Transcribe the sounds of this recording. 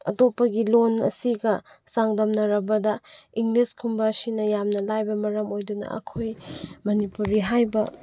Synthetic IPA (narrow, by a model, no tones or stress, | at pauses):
ɐ̰topːɐɡilonɐ̰siɡɐsaŋdɐmnɐɾɐbɐdɐ | iŋliskʰumbɐsinɐjamnɐlajbɐmɐɾɐmojdunɐ̰ʔɐ̰kʰojmɐnipuɾiɦajbɐ